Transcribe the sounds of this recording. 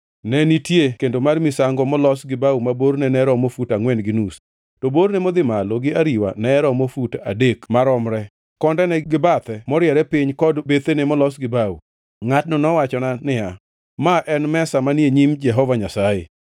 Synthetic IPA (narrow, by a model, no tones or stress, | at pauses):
nɛnitjekendomarmɪsaŋɡɔmɔlɔsɡɪbawumaboɾnɛnɛɾɔmofutaŋwɛndɡɪnus | tɔboɾnɛmɔd̪ɪmaloɡɪaɾiwa̰nɛɾɔmofuta̰dekmaɾɔmɾɛ | kɔndɛnɛɡɪbat̪ɛmɔɾɪjɛɾɛpɪɲkɔdbet̪enɛmɔlɔsɡɪbawṵ | ŋat̚nɔnɔwat͡ʃɔnanɪja | maʔɛnmɛsamanjeɲimd͡ʒɛɦɔvaɲasajḛ